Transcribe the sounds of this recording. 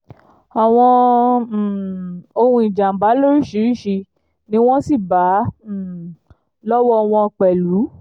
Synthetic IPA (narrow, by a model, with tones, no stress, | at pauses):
a˨w̃ɔ̃˧˨ | o˧ũ˧i˨d͡ʒã˨m̩˨ɡ͡ba˨˦lo˦ɾi˦˨ʃi˨˦ɾi˦˨ʃi˧ | nĩ˦w̃ɔ̃˦si˦˨ba˨˦˨ | lɔ˦wɔ˦ɔ˧w̃ɔ̃˧k͡pɛ˨lu˨˦